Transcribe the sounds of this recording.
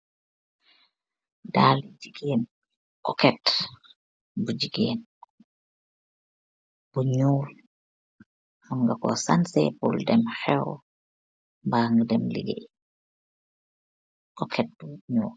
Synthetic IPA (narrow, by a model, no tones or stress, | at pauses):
daːlid͡ʒiɡeːn | kɔkɛt | bud͡ʒiɡeːn | b̥uɲuːl | hamɡakɔ̰sansɛpṵldɛmhɛw | mbaːŋɡədɛmlḭɡḛ | kɔkʰɛt̚buɲuːl